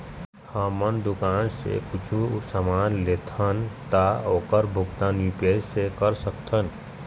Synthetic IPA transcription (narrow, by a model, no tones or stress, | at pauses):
həmənd̪ʊkaːnsḛkʊt͡ʃʰusəmaːnleːt̪ʰənt̪aoːkəɾbʱʊɡt̪aːnjupesekəɾsəkt̪ʰən